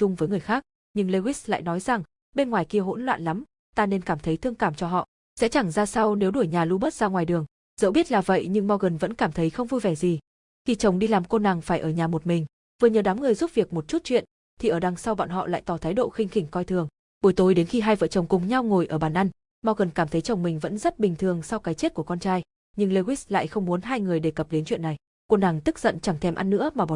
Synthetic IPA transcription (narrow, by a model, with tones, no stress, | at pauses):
t͡ɕʊ˧ŋ͡mvəː˨˦jŋɨ˨˩əjxaː˦˥k̚ | ɲɨ˧ŋle˧wi˦˥sla̰ː˧˨jnɔ˨˦jza˨˩ŋ | ɓe˧nŋwaː˨˩jki˧əɦo̰˧˥nlwa̰ː˧˨nla˨˦m | t̪aː˧ne˧nkaː˧˩mt̪ʰə˨˦jt̪ʰɨ˧əŋkaː˧˩mt͡ɕɔ˧ɦɔ̰˧˨ | sɛ̰˧˥t͡ɕa˧˩ŋzaː˧sa˧wne˨˦wɗu˧˩əjɲaː˨˩lu˧ɓə˦˥t̚z̥aː˧ŋwaː˨˩jɗɨ˨˩əŋ | z̥ə̰˧˥ɓi˦˥ət̚laː˨˩və̰˧˨jɲɨ˧ŋma˧wɣə˨˩nvə̰˧˥nkaː˧˩mt̪ʰə˨˦jxə˧wŋ͡mvu˧jvɛ˧˩zi˨˩ | xi˧˩t͡ɕə˨˩wŋ͡mɗi˧laː˨˩mko˧na˨˩ŋfaː˧˩jʔəː˧˩ɲaː˨˩mo˨˩t̚mï˨˩ŋ̟ | vɨ˨˩ɲəː˨˩ɗaː˨˦mŋɨ˨˩əjzu˦˥p̚vi˨˩ək̚mo˨˩t̚t͡ɕu˦˥t̚t͡ɕwḭ˧˨ən | t̪ʰi˨˩ʔəː˧˩ɗa˨˩ŋsa˧wɓa̰ː˧˨nɦɔ̰˧˨la̰ː˧˨jt̪ɔ˧˩t̪ʰaː˨˦jɗo̰˧˨xï˧ŋ̟xï˧˩ŋ̟kɔ˧jt̪ʰɨ˨˩əŋ | ɓo˨˧˩jt̪o˨˩jɗe˨˦nxi˧ɦaː˧jvə̰ː˧˨t͡ɕə˨˩wŋ͡mkʊ˨˩ŋ͡mɲa˧wŋo˨˩jʔəː˧˩ɓaː˧˩nʔa˧ŋ | mɔ˧wɣə˨˩nkaː˧˩mt̪ʰə˨˦jt͡ɕə˨˩wŋ͡mmï˨˩ŋ̟və̰˧˥nzə˦˥t̚ɓï˨˩ŋ̟t̪ʰɨ˨˩əŋsa˧wkaː˨˦jt͡ɕe˦˥t̚ku˧˩əkɔ˧nt͡ɕaː˧j | ɲɨ˧ŋle˧wi˦˥sla̰ː˧˨jxə˧wŋ͡mmu˨˦nɦaː˧jŋɨ˨˩əjɗe˧˩kə˨˩p̚ɗe˨˦nt͡ɕwḭ˧˨na˨˩j | ko˧na˨˩ŋt̪ɨ˦˥k̚zə̰˧˨nt͡ɕa˧˩ŋt̪ʰɛ˧˩mʔa˧nːɨ̰˧˥əmaː˨˩ɓɔ˨